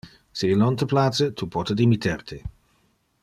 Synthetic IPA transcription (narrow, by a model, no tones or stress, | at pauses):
siilnɔnt̪əplaːt͡ʃət̪ʰupʰɔt̪əd̪imit̪ʰɛrt̪ʰi